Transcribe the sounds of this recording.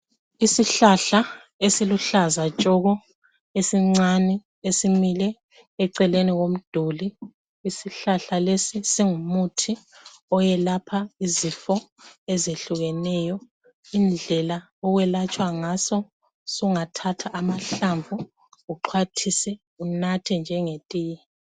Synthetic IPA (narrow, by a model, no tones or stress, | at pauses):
isiɬaɬa | esiluɬazat͡ʃʼɔɣɔ | esiŋ͡ǀanɛ | esimilɛ | ɛǀɛleniɣom̩d̥ʱuliː | siɬaɬalesisiŋumutʰi | ɔjɛlapʰaizifɔ | ɛzeɬuɣɛnɛjɔ | ind͡ɮʱɛla | ɔɣwɛlat͡ʃʼwaŋasɔ | suuŋatʰatʰaʔːmaɬaɱvu | ɣuǃʰwatʰisɛ | unatʰind͡ʒʱɛŋetʼiːjɛ